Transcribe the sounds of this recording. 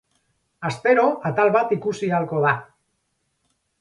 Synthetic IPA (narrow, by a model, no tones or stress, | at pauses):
ast̪e̞ɾo̞at̪alβat̪ikusialko̞ða